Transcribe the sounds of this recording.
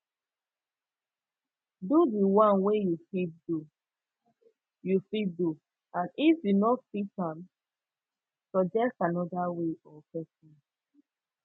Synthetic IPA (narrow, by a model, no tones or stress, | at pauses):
dudiwãnwejufidu | jufidu | ãnʔifjunɔtfitãm | sɔd͡ʒɛk̚tanɔdaweʔɔpɛsĩn